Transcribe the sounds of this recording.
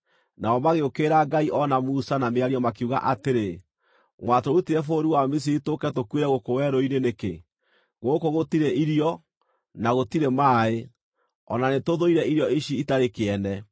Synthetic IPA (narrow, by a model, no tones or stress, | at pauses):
naɔmaɣeokeːɾaɡaiʔɔnamusanameaɾiɔmakeuɣa̰ʔateɾe | mwatoutiɾɛfoɾiwamis̬iɾitokɛtokweɾɛɣokowɛɾoineneke | ɣokoɣotiɾɛʔiɾjɔ | naɣotiɾemaːe | ɔ̰nanetoðoiɾɛiɾjɔiʃiitaɾekeɛnɛ